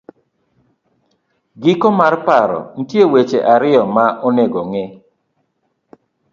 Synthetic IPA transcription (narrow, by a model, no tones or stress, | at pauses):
ɡikɔmarpaɾɔ̰n̩tjewet͡ʃeʔaɾɪɔmaʔɔneɡɔŋɪ